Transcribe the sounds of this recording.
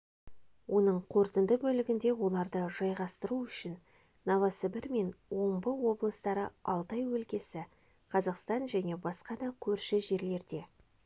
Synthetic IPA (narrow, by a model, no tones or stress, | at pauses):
wʔo̞nəɴqʰo̞ɾt̪ənd̪əbɵlɪɡʲɪnd̪e̞wo̞lˠɑɾd̪əʒ̥ɑjʁɑst̪əɾuʏʃɪnː | ɑvɑsəbɪɾme̞nwo̞ɴbəwo̞blˠəst̪ɑɾəɑlˠt̪ɑjwɵlkʲe̞sɪ | qʰɑzɑqst̪ɑnʒæne̞bɑsqɑd̪ɑkʲʰɵɾʃɪʒe̞ɾle̞ɾd̪e̞